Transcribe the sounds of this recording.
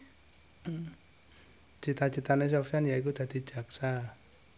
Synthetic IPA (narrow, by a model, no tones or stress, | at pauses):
t͡ʃit̪at͡ʃit̪anes̬ɔfianjaik̬ud̪̥a̤d̪̥i̤̥d͡ʒ̥a̤ksa